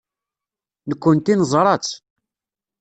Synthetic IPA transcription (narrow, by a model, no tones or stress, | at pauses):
nəkʷːənt̪inzˤɾˤɑt͡sː